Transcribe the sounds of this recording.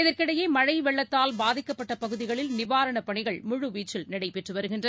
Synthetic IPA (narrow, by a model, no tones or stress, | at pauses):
ɪðɐɾkɪɽɐjeːmɐɻɐɪʋɛɭːɐt̪ːaːlbaːðɪkːɐpːɐʈːɐpɐɣɯðɪɣɐɭɪlnɪʋaːɾɐɳɐpɐɳɪɣɐɭmʊɻʊʋiːt͡ʃːɪlnɪɽɐɪpɛʈrɯʋɐɾɯɣɪndrɐ